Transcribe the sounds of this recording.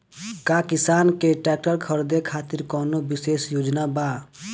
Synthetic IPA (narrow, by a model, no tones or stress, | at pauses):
kakisaːnkeʈɛːk̚ʈəɾkʰəɾd̪ekʰaːt̪iɾkɔːnobiseːsjoːd͡ʒnaba